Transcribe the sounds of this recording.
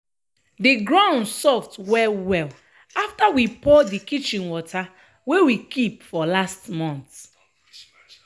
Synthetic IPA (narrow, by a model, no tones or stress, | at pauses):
diɡɹãʊ̃ndsɔftwɛwɛl | aftawipɔdikit͡ʃĩnwɔtʰa | wewikipfɔlastmɔ̃nt